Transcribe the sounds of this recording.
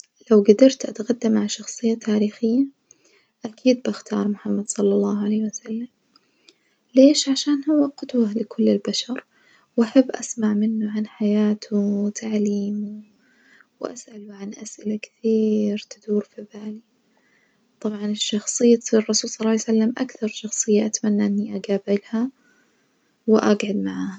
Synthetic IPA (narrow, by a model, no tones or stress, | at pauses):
lawɡad̪ɑɾˤt̪ʔat̪ɣad̪ːamːaʕaʃɑxsˤɨjːat̪ʰaːɾiːxɪjːa | ʔakʰiːd̪̚baxt̪ʰɑ̰ːɾˤmʊħamːad̪sˤɑlːɑlˤːɑːhʕaleːhwasalːam | leːʃʕaʃaːnhʊwːaqʊd̪walɪkʰʊlːɪlbaʃɑɾˤ | wʔaħabːʔasmaʕmɪnːʊʕanħajaːt̪ʰut̪ʰaʕliːmu | wʔa̰sʔalʊʕanʔasʔɪlakɪ̥θiːɾt̪ɪd̪uːɾfibaːli | t̪ˤɑbʕɑnɪʃːɑxsˤɨjːat̪sirˤːɑsuːlsˤɑlɑːjsalːamʔakθɑɾˤʃɑxsˤɨjːaʔat̪manːaʔɪnːiʔaɡaːbɪlha | wɪʔaɡʕad̪maʕaːha